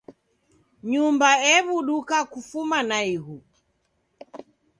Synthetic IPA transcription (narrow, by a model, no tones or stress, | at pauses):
ɲumbaɛβuɗukakufumanaiɦu